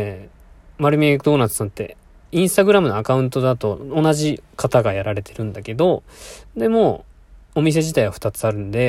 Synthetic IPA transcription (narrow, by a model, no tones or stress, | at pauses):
maɾɯ̟mʲikɯd̪o̞ːnat͡sɨnat̪ːe̞̰ | ĩɰ̃st̪aɡɯ̟ɾamɯ̟noakaɯ̟̃nt̪o̞d̪at̪o̞onaʑikʰat̪aɡajaɾaɾe̞t̪ʰe̞ɾɯ̟̃nd̪ake̞d̪o̞d̪e̞mo̞ | omʲis̬e̞ʑit̪aiβaɸɯ̟̥t̪at͡sɨaɾɯ̟̃nd̪e̞